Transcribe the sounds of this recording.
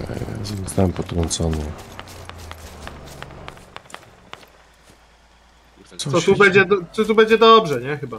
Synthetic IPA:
a̰zɔɔst̪awɛmpɔt̪ɾɔnt̪sɔnɛ | sɔt̪ubɛd͡ʑɛd̪t̪ɔt̪̬ubɛɲd͡ʑɛd̪ɔbʐɛɲɛxɘba

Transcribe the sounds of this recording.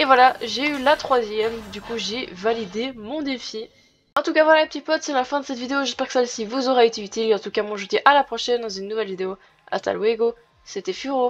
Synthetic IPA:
evwalaʒeylat̪χwazjɛmd̪ykuʒevalid̪emɔ̃d̪efi | ɑ̃t̪ukavwalaləpət̪ipɔt̪sɛlafɛ̃d̪əsɛt̪vid̪eoʒɛspɛʁkə̥sɛlsivuzɔʁɛet̪eyt̪ilɑ̃t̪ukamwɔ̃ʒut̪ɛʔalapχɔʃɛnd̪ɑ̃zynːuvɛlvid̪eo | a̰t̪a̰lweɡo | set̪ɛfyʁo

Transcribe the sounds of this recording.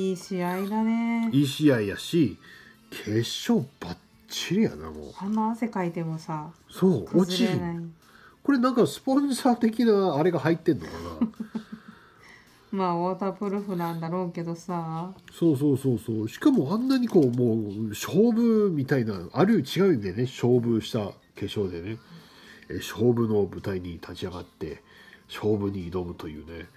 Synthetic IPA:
iːɕiaid̪aneiːɕiaij̪a̰ɕi | kʰe̞ɕo̞ːb̥a | t͡ɕt͡ɕːiɾɯja̰na̰mo̞̰ãnːaːse̞kait̪e̞mosasoːkozt͡ɕiienai | ko̞ɾe̞nãŋkasɨ̥põ̞ɰ̃saːt̪e̞kʲinaːɾe̞ɡahait̪ːẽ̞nːo̞̰ka̰na̰ | maːoːt̪aːpɯ̟ɾɯ̟ɸɯnãnd̪aɾo̞ːke̞d̪osaːso̞ːs̬o̞ːso̞ːso̞ːɕi̥kamo̞ãnːaɲ̟iko̞ːmo̞ːɕo̞ːbɯ̟mʲit̪ainaaɾɯ̟t͡ɕiɡaɯ̟d̪ene̞ɕo̞ːbɯ̟ɕi̥t̪a | ke̞ɕo̞ːd̪e̞ne̞ | ɕo̞ːbɯ̟no̞bɯ̟t̪aiɲ̟it̪ʰat͡ɕiaɡat̪ːe̞̰ɕo̞ːbɯ̟ɲ̟iːd̪o̞mɯ̟t̪o̞jɯ̟̰ːne̞

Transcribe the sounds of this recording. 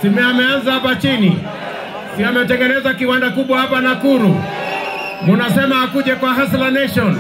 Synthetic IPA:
simɛamɛanzahapat͡ʃinḭ | siamɛt̬ɛŋɡɛnɛzakiwandakuɓwahapanakuɾu | munasɛmaakuʄɛkwaɦaslanɛʃɔn

